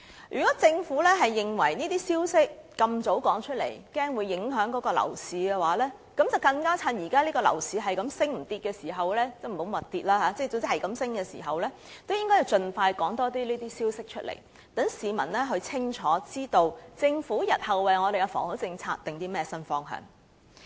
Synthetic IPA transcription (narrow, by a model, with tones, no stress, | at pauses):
jyː˨kɔː˨˥t͡sɪ˧ŋfuː˨˥lɛː˥ɦɐ˨jːɪ˨ŋwɐ˨˩jniː˥t̪iː˥siː˥wsɪ˥k̚ːɐ˧mt͡so˨˥wkɔː˨˥ŋt͡ʃʰɵ˥t̚lḛ˨˩jkɛː˥ŋwuː˨˧jːɪ˨˥ŋɦœː˨˥ŋkɔː˨˥kɔː˧lɐ̰˨˩wsiː˨˧kɛː˧waː˨˥lɛː˥ | kɐ˨˥mt͡sɐ˨˩wkɐ˧ŋkaː˥t͡sʰɐ˧njiː˨˩kaː˥liː˥kɔː˧lɐ̰˨˩wsiː˨˧ɦɐ˨jkɐ˨˧msɪ˥ŋm̩˨˩t̪iː˧t̚kɛː˧siː˨˩ɦɐ˨wlɛː˥t͡sɛ˥˩m̩˨˩o˨˥wmɐ˨t̚t̪iː˨t̚laː˥ɦaː˨˧˥t͡sɛː˥˩t͡sʊ˨ŋt͡si˥ɐ˨˩jkɐ˨˥msɪ˥ŋkɛː˧sḭː˨˩ɦɐ˨wlɛː˥ | t̪o˥wjɪ˥ŋkɔː˥ji˨wt͡sɵ˨nfaː˧jkɔː˨˥ŋt̪ɔː˥t̪iː˥liː˥t̪iː˥siː˥wsɪ˥k̚t͡ʃʰɵ˥t̚lḛ˨˩j | t̪ɐ˨˥ŋsiː˨˧mɐ˨˩nlɛː˥ɦɵ˧t͡sʰɪ˥ŋt͡ʃʰɔː˨˥t͡siː˥t̪o˧wt͡sɪ˧ŋfuː˨˥jɐ˨˩t̚hɐ˨wːɐ˨jŋɔː˨˧ɾe˨ɛ˧fɔ̰ː˨˩ŋhʊ˨˥t͡sɪ˧ŋt͡sʰa̰ː˧k̚t̪ɪ˨ŋt̪iː˥mɛː˥sɐ˥nfɔː˥ŋɦœ̰ː˨˩ŋ